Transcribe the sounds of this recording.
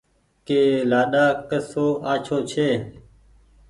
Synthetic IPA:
keːlaːɗaːkəsoːʔaːt͡ʃʰoːt͡ʃʰeː

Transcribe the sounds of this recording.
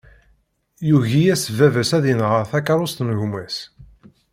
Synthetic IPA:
juʝijæsəvævæsæðinəʁəɾθækɑɾˤost̪nɣmæs

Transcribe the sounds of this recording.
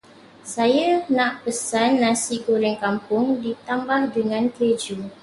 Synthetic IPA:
sajanãʔpəsanːãsikuɾɛŋkampʊŋdit̪ambahdəŋãnked͡ʒu

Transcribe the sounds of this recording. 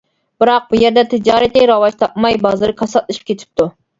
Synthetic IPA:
b̥ɨɾɑq̚bujɛɾd̪ɛt̪ʰɪd͡ʒɑːɾɛt̪ɪɾɑwɑt͡ʃt̪ʰɑp̚mɑjbɑzɨɾɨkʰɑsɑt̪̚lˠɨʃi̥p̚kʲet̪ʰɪ̥p̚t̪ʰu

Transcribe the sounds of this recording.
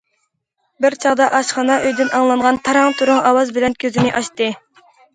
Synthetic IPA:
bɪɾt͡ʃʰɑʁd̪ɑʔɑʃχɑnɑʔøjd̪ɪnɑŋlˠɑɴʁɑnt̪ʰɑɾɑŋt̪ʰuɾʊŋɑwɑzbɪlɛnkʲʰøzɪnɪʔɑʃt̪ɨ

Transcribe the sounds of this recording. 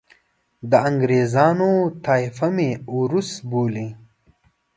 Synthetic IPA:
d̪əɐŋɡɾeːzɑːnot̪aːfɐmeuɾusboːli

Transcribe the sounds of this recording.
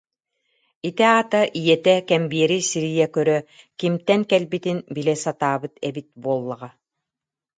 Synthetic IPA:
it̪ɛaːt̪aʔijɛt̪ɛkɛmbiɛɾisiɾijɛkœɾœ | kimt̪ɛŋkɛlbit̪inbilɛsat̪aːbɯt̪ɛbit̪̚buɔlˠːaʁa

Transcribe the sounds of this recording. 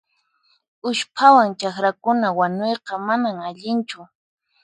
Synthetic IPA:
ʊʃpʰawaŋt͡ʃaxɾakʊnawaɲojqɑmanaŋaʎɪnt͡ʃʊ

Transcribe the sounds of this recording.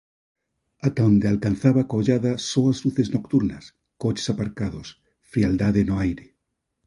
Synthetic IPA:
at̪aõnd̪ealkan̟θaβakoʎaðasoazluθeznokt̪uɾnɐs | kot͡ʃe̥sapaɾkaðos | fɾiald̪aðenoajɾe

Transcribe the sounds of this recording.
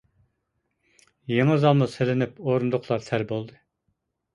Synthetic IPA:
jeŋɨzɑlˠmuselɪnɪpoɾund̪ʊχʰlˠɑɾsʰæɾbolˠd̪ɨ

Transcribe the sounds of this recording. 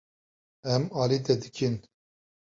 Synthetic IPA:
ɛmaːlit̪ɛd̪ɨkʰin

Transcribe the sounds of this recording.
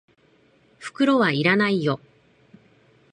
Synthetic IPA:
ɸɯ̥kɯ̟ɾo̞βaiɾanaijo̞

